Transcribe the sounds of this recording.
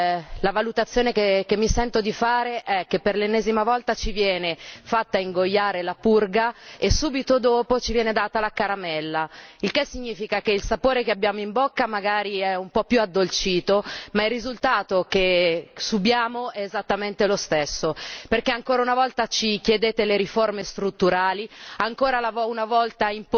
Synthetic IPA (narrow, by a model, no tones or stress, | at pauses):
lavalut̪at̪sːjoːnekekemːisɛnt̪od̪ifaːɾeʔɛk̟ːepːerlenːeːzimavɔlt̪at͡ʃivjɛːnefat̪ːaiŋɡojːaːɾelapurɡaesːuːbit̪od̪oːpot͡ʃivjɛːned̪aːt̪alakaɾamɛlːailkesːiɲːiːfikakeilsapoːɾekeabːjaːmoimbokːamaɡaːɾiɛumpɔpjuad̪ːolt͡ʃiːt̪omairːizult̪aːt̪okesubjaːmoɛːzat̪ːament̪elost̪esːoperkeaŋkoːɾaunavɔlt̪at͡ʃikjed̪eːt̪eleɾiformest̪ɾut̪ːuɾaːliaŋkoːɾalavɔunavɔlt̪aimp